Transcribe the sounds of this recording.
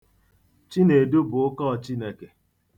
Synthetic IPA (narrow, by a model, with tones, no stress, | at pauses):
t͡ʃi˦ne˨du˦bʊ˨ʊ˦kɔ˦˨t͡ʃi˦ne˨ke˨